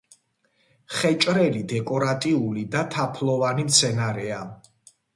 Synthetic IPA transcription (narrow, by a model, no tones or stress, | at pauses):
χɛt͡ʃʼɾɛlid̪ɛkʼɔɾat̪ʼiulid̪at̪ʰapʰlˠɔvanimt̪sʰɛnaɾɛa